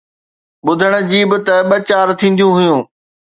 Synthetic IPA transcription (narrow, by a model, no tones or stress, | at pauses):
ɓʊd̪ʱəɽ̃̆d͡ʑiːbɪ̆t̪ɐɓɐt͡ɕaːɾt̪ʰĩːn̆d̪jũɦʊjũː